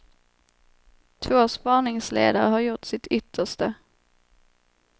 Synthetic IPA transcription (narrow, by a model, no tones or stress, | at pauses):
t̪ʰvoːspɑːɳɪŋslḛːd̪aɾəɦaɾjʊʈsɪt̪ʰʏt̪ʰːəʂtə